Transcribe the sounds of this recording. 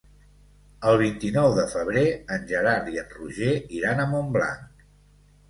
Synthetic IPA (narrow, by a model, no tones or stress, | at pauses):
əlˠβ̞int̪inɔwðəfəβ̞ɾeənʲʒəɾaɾðiənruʒeiɾanəmombla̰ŋk